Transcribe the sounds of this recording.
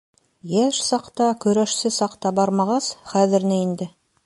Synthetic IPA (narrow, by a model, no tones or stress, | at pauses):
jæʃsɑqt̪ɑkʲʰɵ̆ɾæʃsɘsɑqt̪ɑbɑɾmɑʁɑsχæðɪɾnɘend̪ɪ